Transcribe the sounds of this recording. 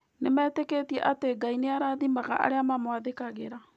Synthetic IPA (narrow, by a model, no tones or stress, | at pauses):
nemɛːteketiɛʔateɡaineaɾaːðimaɣa̰ʔa̰ɾeamamwaðekaɣeɾa